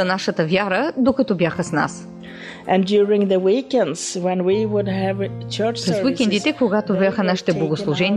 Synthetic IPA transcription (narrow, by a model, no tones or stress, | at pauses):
ɐnaʃət̪əvjaɾəd̪okɐt̪ɔbjaxəsna̰s | ʔɨ̃ndjʊɹɪ̃ŋðəwikɛ̃ndz̥wɛ̃nwiwʊdɨvt͡ʃʰɜ˞t͡ʃpɾɛswikɛ̃nd̪it̪ɛkoɡat̪ovaxənaʃi̥t̪ɛblˠɐɡoslˠuʒɛn